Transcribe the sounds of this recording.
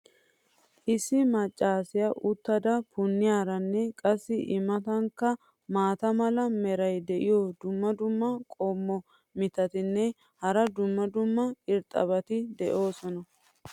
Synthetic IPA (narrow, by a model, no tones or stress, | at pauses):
ʔɪsːɪmɐt͡ʃʼːaːsɪjɐʔʊt̪ːɐd̪ɐpʊnːɪjaːɾɐnːɛkʼɐsːɪʔɪmːɐt̪ɐŋkːɐ | maːt̪ɐmɐlɐmɛɾɐjd̪ɛʔɪjɔd̪ʊmːɐd̪ʊmːɐkʼɔmːɔ | mɪt̪ɐt̪ɪnːɛ | hɐɾɐd̪ʊmːɐd̪ʊmːɐɪɾt̪ʼɐ̰bɐt̪ɪd̪ɛʔo̞ːsɔnɐ